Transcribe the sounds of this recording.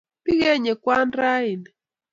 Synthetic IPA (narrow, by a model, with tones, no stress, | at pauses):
pi˦ɣɛ˦ɲɛ˨kwa˦nɾa˦i˨n